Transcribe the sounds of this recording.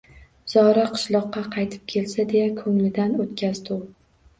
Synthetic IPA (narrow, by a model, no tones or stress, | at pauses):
z̥ɒɾaqʰɨ̥ʃlˠɒqːɑqʰɑjt̪ʰɪ̥p̚kʲʰe̞lsad̪e̞jakʰɵŋlɪd̪anot̪kʲʰazd̪ʊw